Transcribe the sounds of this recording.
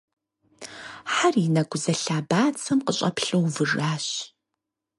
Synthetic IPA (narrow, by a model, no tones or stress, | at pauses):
ħarinɐɡʷʊzɐɬaːbaːt͡sʰɐmqəɕʼɐ̰pɬɨwvɨraːɕ